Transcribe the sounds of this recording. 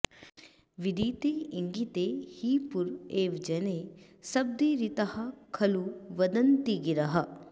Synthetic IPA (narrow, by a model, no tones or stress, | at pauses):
ʋid̪it̪eiŋɡit̪ehiːpuɾeːʋd͡ʒɐne | sɐb̚d̪iɾit̪ɐhɐkʰɐluʋɐd̪ɐnt̪iɡiɾɐɦɐ